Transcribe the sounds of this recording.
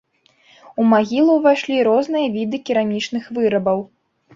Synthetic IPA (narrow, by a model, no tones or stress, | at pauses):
umaɣʲilˠuvajʂlʲiɾɔznɨjɐvʲid̪ɨkʲiɾamʲit͡ʂn̪ɨxvɨɾɐbɐw